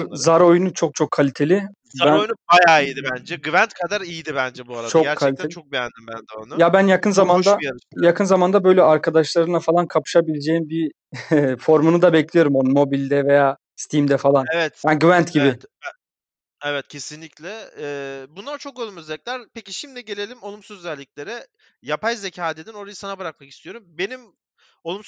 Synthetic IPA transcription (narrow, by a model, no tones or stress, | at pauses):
zaɾo̞junut͡ʃʰo̞k̚t͡ʃʰo̞kʰːalʲit̪ʰe̞lʲɪ | abænojnubajaːijd̪ibænd͡ʒɛɡyvænt̪kʰad̪aɾijid̪ibænd͡ʒɛbuaɾat͡ʃʰoɾkʰːalʲit̪ʰet͡ʃʰok̚jænd̪imbænd̪ɛonujabænjakʰɯnzamand̪ajakʰɯnzamand̪abø̞jlʲɛʔaɾkʰad̪aʃlˠaɾɯnlˠafalˠankʰapʰɯ̥ʃabilʲed͡ʒejimbi | fo̞ɾmunud̪abɛclʲijo̞ɾumonumo̞bilʲd̪ɛve̞jaː | st̪ʰimd̪ɛfalˠanevɛt̪aɡvænt̪ɟibɪ | evɛt̪̚cʰe̞sinlʲiclʲɛː | bunlˠaɾt͡ʃʰo̞kolˠumøzɛlʲcʲlʲæɾpʰeciʃimd̪iɟe̞lʲe̞lʲimo̞lˠumsuzøzɛlʲːicʲlʲe̞ɾɛ | japʰajze̞cʰaːd̪ed̪ino̞ɾajɯsanabɯɾak̚maki̥st̪ʰijo̞ɾumbe̞nim | olˠum